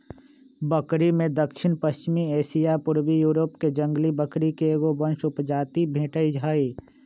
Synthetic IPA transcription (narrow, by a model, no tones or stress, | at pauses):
bəkɾimẽd̪əkʃɪnpəst͡ʃɪmieːsijapʊɾwijuːɾoːpked͡ʒə̃ŋɡlibəkɾikeeːɡobə̃nʃʊpd͡ʒaːt̪ibʱẽːʈəid͡ʒʱaːiː